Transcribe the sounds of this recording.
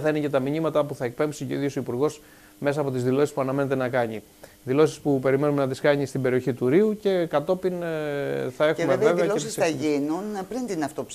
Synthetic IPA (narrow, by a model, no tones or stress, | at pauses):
θɐinecet̪ɐmiɲimɐt̪ɐpuθɐe̞k̚pe̞msiceḭðiosoipuɾɣo̞s | me̞sɐːpo̞t̪izðilo̞sispuɐnɐme̞net̪̬e̞nɐkɐɲi | ðilo̞si̥spupe̞ɾime̞numenɐt̪iskɐɲist̪ibe̞ɾio̞çit̪uɾiuce̞kɐt̪o̞pin | θɐe̞xumeveeveɐloesisɐʝinunpɾint̪inɐft̪op